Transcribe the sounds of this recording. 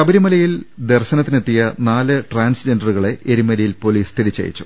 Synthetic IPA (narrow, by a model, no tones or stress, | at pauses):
ɐbɐɾimɐlɐjild̪erɕɐnɐt̪ːinet̪ːijɐnaːlɨʈraːnsd͡ʑenɖɐruɣɐɭe̞eɾimɐɾijilpo̞liːst̪ʰiɾit͡ɕːɐ̰jḭt͡ɕːu̥